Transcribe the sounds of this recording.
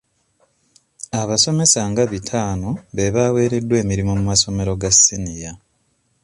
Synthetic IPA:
aβaso̞me̞saŋɡaβitʰaːno̞βe̞βawe̞ːɾe̞dːwe̞ːmiɾimo̞mumaso̞me̞ɾo̞ɡasːinija

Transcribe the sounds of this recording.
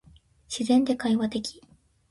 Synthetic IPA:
ɕizẽ̞nd̪e̞kaiβat̪e̞kʲʰi̥

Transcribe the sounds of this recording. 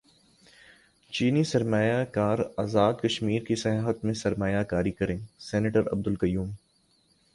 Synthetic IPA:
t͡ʃiːnisɐɾmaːjakaːɾaːzaːd̪kɐʃmiːɾkisɐɦaːɦət̪mẽsɐɾmaːjakaːɾikɐɾẽːsɛːneʈəɾɐ̰b̚d̪ʊlkɐjuːm

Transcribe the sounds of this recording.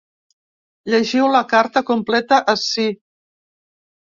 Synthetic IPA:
ʎəʒiwləkaɾt̪əkumplɛt̪əʔəsi

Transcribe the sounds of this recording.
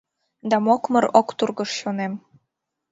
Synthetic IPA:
d̪ɑmokməɾokt̪urɣəʃɕonem

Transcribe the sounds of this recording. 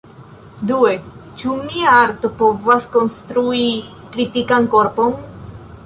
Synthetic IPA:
d̪uet͡ʃumiaaɾt̪opovaskonst̪ɾui | kɾit̪ikankoɾpon

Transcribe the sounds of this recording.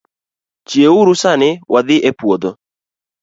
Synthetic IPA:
t͡ʃjeuɾusanɪwʔad̪ɪʔepwod̪o

